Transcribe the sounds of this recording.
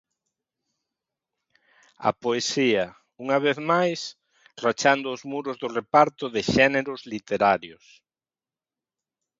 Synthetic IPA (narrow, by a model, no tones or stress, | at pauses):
ɐ̰poesiɐ | uŋɐβ̞eθmajs | rat͡ʃand̪ʊːzmuɾʊzðʊrepaɾt̪ʊðɪʃɛneɾʊzlit̪eɾaɾjʊs